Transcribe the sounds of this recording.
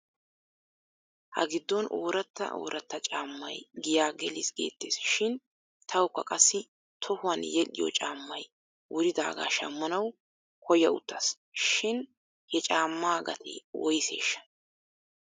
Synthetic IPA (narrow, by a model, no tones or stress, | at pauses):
hɐ̰ɡɪd̪ːɔnoːɾɐt̪ːɐ̰ʔo̰ːɾʔɐt̪ːɐt͡ʃʼaːmːɐjɡɪjaːɡɛlɪsɡḛːt̪ːeːsʃɪn | t̪ʰɐwkːɐkʼɐsːɪ | t̪ʰɔhʊwɐnjɛlɪ̰jɔ̰t͡ʃʼaːmːɐj | wʊɾɪd̪aːɡa̰ːʃɐ̰mːɐnɐw | kʰɔjɐʊ̰t̪ːɐs | ʃɪn | hɛt͡ʃʼaːmːaːɡɐ̰t̪ʰɛ̰wɔjse̞̰ːʃːɐ̥